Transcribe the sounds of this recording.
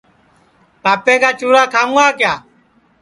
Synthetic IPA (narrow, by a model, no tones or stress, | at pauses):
paːpẽːkaːt͡ʃuːɾaːkʰaːaːkɪjaː